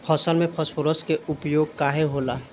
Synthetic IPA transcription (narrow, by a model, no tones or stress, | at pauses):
pʰɔsəlmẽpʰɔspʰoɾɔskeupjoɡ̚kaɦeɦola